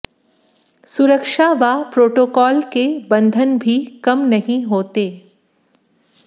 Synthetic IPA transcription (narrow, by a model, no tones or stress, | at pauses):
sʊɾəkʃaʋapɾoːʈoːkɔːlkebɐ̃nd̪ʱənbʱikɐmnɐɦĩɦoːt̪eː